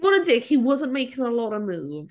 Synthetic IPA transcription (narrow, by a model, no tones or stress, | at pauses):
wɔnədɪkhiwʌzə̃nmeɪkɪ̃ŋəlɔɾəmuːv